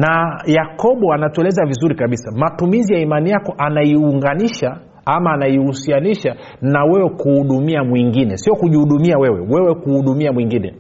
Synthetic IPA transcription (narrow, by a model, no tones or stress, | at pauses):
najakɔɓɔanatuɛlɛzavizuɾikaɓisamatumizijaimanijakɔʔanaiuŋɡaniʃa | amaːnajihusianiʃa | nawɛwɛkuhuɗumiamwiŋɡinɛsiɔkuʄihuɗumiawɛwɛwɛwɛkuhuɗumiamwiŋɡinɛ̰